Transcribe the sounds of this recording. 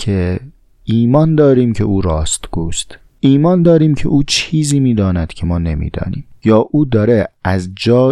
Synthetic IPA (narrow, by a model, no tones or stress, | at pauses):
cʰe | iːmɒːnd̪ɒːɾiːmcʰe̞̰ʔuːɾɒːst̪ɡuːst̪ | iːmɒːnd̪ɒːɾiːmcʰḛʔuːt͡ʃʰiːziːmiːd̪ɒːnæd̪̥cʲʰe̞mɒːne̞mḭːd̪ɒ̰ːnḭːmjɒːʔuːd̪ɒːɾeæzd͡ʒɒː